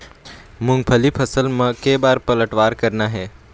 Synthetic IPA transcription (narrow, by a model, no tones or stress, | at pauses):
mʊ̃ŋɡpʰəlipʰəsəlmẽkeːbaːɾpələʈʋaːɾkəɾnaɦɛː